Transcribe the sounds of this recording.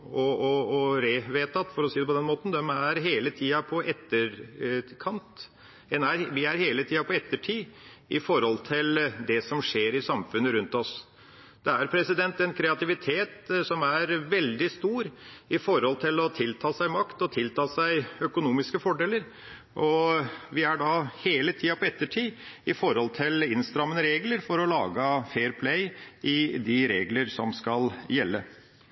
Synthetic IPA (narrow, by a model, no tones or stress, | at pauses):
ɔɔːɾeːʋeːt̪ʰɑt̪ːfɔɾɔsiːd̪ɛpɔd̪ɛnmoːt̪nd̪ɛmæɾɦeːlət̪ʰiːɑpʰɔʔɛt̪ːəɾkʰɑnt̪ | ɛnæɾʋɪæɾheːlət̪ʰiːɑpʰɔɛt̪ːəʈʰiːʔɪfɔɾhɔlt̪ʰɪld̪ɛsɔmʂeːɾɪsɑmfʉnːəɾʉnt̪ɔs | d̪̥ɛæɾpʰɾɛsɪd̪ɛnt̪ɛnkʰɾɛɑt̪ɪʋɪt̪ʰeːt̪sɔmæɾʋɛld̪ɪst̪uːɾɪfɔɾhɔlt̪ʰɪlɔt̪ʰɪlt̪ʰɑːsæɪmɑkt̪ɔt̪ʰɪlt̪ʰɑːsæɪœkʊnuːmɪskəfɔɖeːləɾ | ʔɔʋɪæɖɑheːlət̪ʰiːɑpʰɔɛt̪ːəʈʰiːɪfɔɾhɔlt̪ʰɪlɪnst̪ɾɑmːənəɾeːɡləɾfɔɾɔlɑːɡəfeːɾpʰlæɪɪd̪ɪɾeːɡləɾsɔmskɑljɛlːə